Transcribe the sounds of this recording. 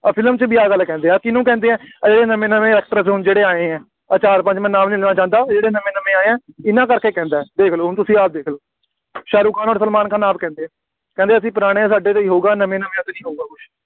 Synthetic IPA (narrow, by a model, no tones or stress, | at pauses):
pʰɪlmt͡ʃbiaːɡəlːkɛ̃ːnd̪eːɛːkɪnũːkɛ̃ːnd̪eːɛ̃ːd͡ʒeːɽeːnəmẽːnəmẽːɛːk̚ʈəɾsɦʊnd͡ʒeːɽeːaːẽːɛ̃ː | ət͡ʃaːɾpə̃t͡ʃmɛ̃ːnaːmnĩːleːnaːt͡ʃãːnd̪aːd͡ʒeːɽeːnəmẽːnəmẽːaːeːɛ̃ːɪnãːkəɾkeːkɛ̃ːnd̪aːɛd̪eːkʰloːɦʊnt̪ʊsĩːaːp̚d̪eːkʰloː | ʃaːɾuːkaːnoːɾsəlmaːnkaːnaːp̚kɛ̃ːnd̪eːɛ̃ː | kɛ̃ːnd̪eːəsĩːpəɾaːɽ̃ẽːsaːɖeːt̪eiːɦoːɡaːnəmẽːnəmjãːt̪eːnĩːɦoːɡaːkʊʃ